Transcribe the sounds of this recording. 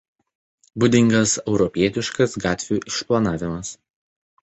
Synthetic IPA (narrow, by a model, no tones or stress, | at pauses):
bʊd̪ʲɪŋɡɐsɛʊɾɔpʲiɛt̪ʲɪʃkɐsɡɑːt̪ʲʋʲuːʔɪʃplˠɐnɑːʋʲɪmɐs